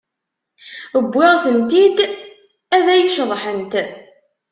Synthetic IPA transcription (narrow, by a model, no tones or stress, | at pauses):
əbʷːɪʁθənt̪id̪ | æðæjʃəðˤħənt̪